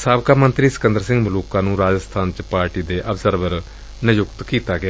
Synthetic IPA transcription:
saːbkaːmənt̪ɾiːsə̥kənd̪əɾsɪ̃ŋɡmʊluːkãːnũːɾaːd͡ʒəst̪ʰaːnt͡ʃpaːɾʈiːd̪eːʔəbzəɾʋəɾ | nəjʊkt̪kiːt̪aːɡɪaː

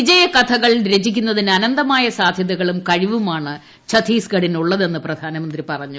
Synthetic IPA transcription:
id͡ʑɐjɐkɐt̪ʰɐɣɐɭɾe̞d͡ʑikʲːunːɐðinɨɐnɐnd̪ɐmaːjɐsaːd̪ʱjɐðɐɣɐɭumkɐɻiʋumaːɳɨ | t͡ɕʰɐt̪ʰiːsɡɐɽinuɭːɐðe̞nːɨprɐd̪ʱaːnɐmɐnd̪ripɐrɐɲːu

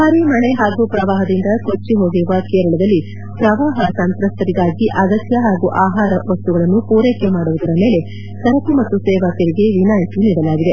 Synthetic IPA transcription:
bʱaːɾimɐɳeɦaːɡupɾɐʋaːɦɐd̪ind̪ɐkot͡ʃːiɦo̞ːɡiɾuʋɐkeːɾɐɭɐd̪ɐlːi | pɾɐʋaːɦɐsɐnt̪ɾɐst̪ɐɾiɡaːɡiʔɐɡɐsjɐɦaːɡuʔaːɦaːɾɐʋɐst̪uɡɐɭɐnːupuːɾeːkemaːɽuʋud̪ɐɾɐme̞ːle̞ | sɐɾɐkimɐt̪ːusɛːʋaːkɐɾiɡe̞ʋinaːjt̪uniːɽɐlaːɡid̪e̞

